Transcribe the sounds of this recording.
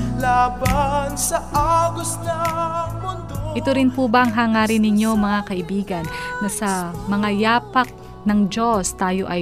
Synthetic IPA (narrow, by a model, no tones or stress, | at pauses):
laːbɐnsɐʔaɡʊsnɐmʊnd̪ʔɪt̪oɾɪnpubɐʔɐŋɦaːŋaːɾɪnɪɲːo̞mɐŋakɐʔɪbiːɡɐnːɐsɐmɐŋajaːpɐk̚ | nɐŋd͡ʒo̞st̪aːjo̞ʔɐj